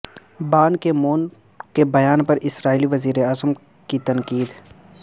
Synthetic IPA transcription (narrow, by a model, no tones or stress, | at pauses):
baːnkemoːn | kebɐjaːnpɐɾʔɪsɾaːiliʋɐziːɾeaːzəm | kit̪ɐnkiːd̪